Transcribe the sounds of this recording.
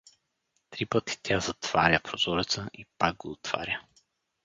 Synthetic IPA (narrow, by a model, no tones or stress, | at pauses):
t̪ɾipət̪i̥t̪ʲjazɐt̪v̥a̰ɾʲəpɾoz̥ɔɾɛt̪səʔipaɡ̚ɡoːt̪v̥a̰ɾʲə